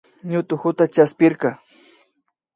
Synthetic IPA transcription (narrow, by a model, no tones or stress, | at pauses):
ɲʊt̪ʊxʊt̪at͡ʃaspɪɾkɑ